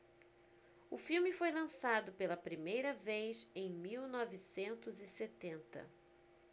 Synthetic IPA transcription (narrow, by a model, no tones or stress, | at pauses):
ʊfiwmɪfojlɐ̃sad̪ʊpelɐpɾimejɾɐvejsẽj̃miwnɔvisẽnt̪ʊzɪset̪ẽnt̪ɐ̰